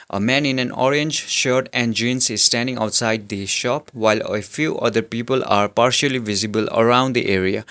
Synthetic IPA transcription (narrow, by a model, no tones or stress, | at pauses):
ʔə̰mɛ̃nĩnɛ̃nɔ̰ɾẽnd͡ʒʃəɾʈɛ̃nɖd͡ʒĩnsizsʈæ̃nɖĩŋa̰wʈsajɖ̚d̪iʃɔpwajlefjuʔʌ̰d̪əɾpipəla̰ːɾpaɾʃəlivizibələ̰ɾãʊ̃nɖd̪iʔeɾia̰